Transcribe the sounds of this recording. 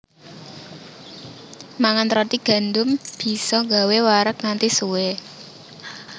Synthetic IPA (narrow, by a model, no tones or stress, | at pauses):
maŋant̪ɾɔt̪iɡ̥ä̤nd̪ʊmb̥i̤sɔŋɡawewaɾəkŋant̪isuwe